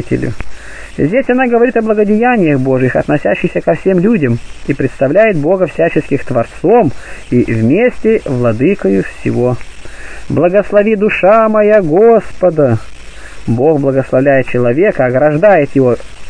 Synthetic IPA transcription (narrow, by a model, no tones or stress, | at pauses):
tʲɪ̰lʲʊ̰ | zʲdʲesʲɐnaɡəvɐɾʲit̪ɐblˠəɡədʲɪjænʲɪjəɣbo̞ʐɨjɪxɐ̰t̪nɐsʲæɕːɪxsʲəkɐfsʲe̞mlʲudʲəmipɾʲɪt̪st̪ɐvlʲæjɪd̪̚bo̞ɡəfsʲæt͡ɕɪskʲɪxt̪vɐrt̪so̞mivmʲesʲtʲɪvlˠɐd̪ɨkəjʊfsʲɪ̰vo̞ | blˠəɡəslˠɐvʲid̪ʊʂamɐjaɡospəd̪ə | bo̞xblˠəɡəslˠɐvlʲæjɪt̪̚t͡ɕɪlˠɐvʲe̞kəɐɡɾɐʐd̪ajɪt̪jɪvo̞